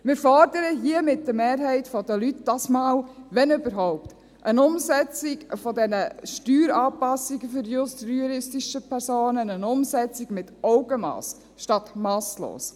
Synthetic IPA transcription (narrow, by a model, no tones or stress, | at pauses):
mɪːɾfɔɾdəɾəɦiəmɪt̚d̥əmeːɾɦɛɪtfɔdəlytd̥ɑːsmɑːlʋɛnʏbəɾɦɔʊpt | ʔənʊmsɛt͡sɪɡfɔdɛnəʃtyːɾɑːpɑsiɡəfʏɾjʊst̪ɾyɾɪstiʃəpʰɛɾsoːnənənʊmsɛt͡sɪɡmɪtɔʊɡəmɑ̰ːs | ʃtɑt̪mɑːslo̰ːs